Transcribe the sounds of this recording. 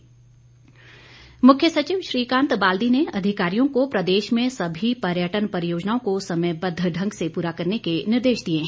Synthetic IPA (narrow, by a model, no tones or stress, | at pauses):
mʊkʰjəsɐt͡ʃiːʋʃɾiːkãːnt̪baːld̪ineɐd̪ʱɪkaːɾijõkopɾɐd̪eːʃmẽsɐbʱipɐɾjəʈənpɐɾɪjoːd͡ʒnaːõkosɐməjbɐd̪ʱːəɖʱɐ̃ŋɡsepuːɾakɐɾnekenɪɾd̪eːʃd̪ie